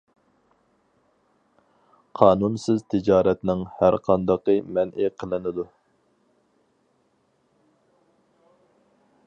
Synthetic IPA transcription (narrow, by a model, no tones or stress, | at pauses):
qʰɑːnunsɪzt̪ʰɪd͡ʒɑːɾɛt̪nɪŋhæɾqʰɑnd̪ɑqɨmɛnʔɪqʰəlˠɨnɨd̪u